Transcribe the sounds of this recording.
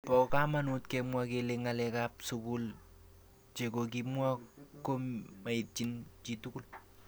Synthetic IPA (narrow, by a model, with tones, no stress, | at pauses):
pɔ˨ka˦ma˦nu˦tkɛ˦mwa˦ke˧leŋalɛ˨ka˦p̚suku˦l | t͡ʃe˨ko˨k̬i˦mwa˦ko˦mma˨i˨t̚t͡ʃi˦nt͡ʃi˨tuku˦l